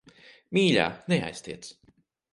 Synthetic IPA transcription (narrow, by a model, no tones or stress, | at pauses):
miːlʲa̰ːnea̰jsʲt̪iɛt̪s